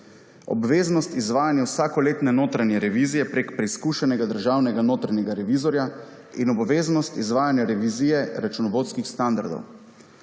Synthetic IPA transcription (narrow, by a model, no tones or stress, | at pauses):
ɔ̰bʋeːznɔst̪izʋaːjanjawsaːkɔleːt̪nɛnoːt̪ɾanjɛɾɛʋiːzijɛpɾeːkpɾɛiskuːʃɛnɛɡad̪əɾʒaːwnɛɡanoːt̪ɾanʲjɛɡaɾɛʋiːzɔɾja | inɔbʋeːznɔst̪izʋaːjanjaɾɛʋizijɛɾat͡ʃunɔʋoːt̪skixst̪and̪a̰ɾd̪ɔ̰w